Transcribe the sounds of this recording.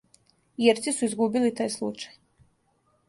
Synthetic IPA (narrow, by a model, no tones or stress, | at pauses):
jeɾt̪sisuizɡubilit̪aːjslˠṵt͡ʃaj